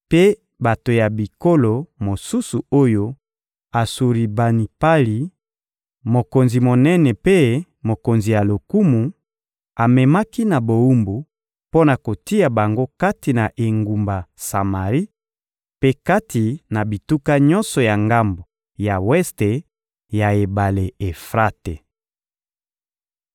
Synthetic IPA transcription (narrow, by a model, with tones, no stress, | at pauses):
pe˦ | ba˨to˨ja˨bi˨ko˦lo˨mo˨su˦su˨o˦jo˦ | a˨su˨ʁi˨ba˨ni˨pa˦li˨ | mo˨ko˨nzi˨mo˨nɛ˦nɛ˨pe˦ | mo˨ko˨nzi˨ja˨lo˨ku˦mu˨ | a˨mɛ˨ma˦ki˦na˨bo˨u˦mbu˨ | po˦na˨ko˨ti˦a˨ba˨ŋɡo˦ka˦ti˨na˨ʔe˨ŋɡu˨mba˨sa˨ma˨ʁi˦ | pe˦ka˦ti˨na˨bi˨tu˦ka˦ɲɔ̃˦nsɔ˨ja˨ŋɡa˦mbo˨ | ja˨wɛ˦ste˨ | ja˨e˨ba˨le˨e˨fʁa˦te˨